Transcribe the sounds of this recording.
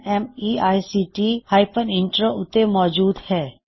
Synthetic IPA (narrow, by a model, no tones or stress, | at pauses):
ɛmiaːisiːʈihaːɪpənɪ̃ɳʈɾoʔʊt̪emɔːd͡ʒuːd̪hɛː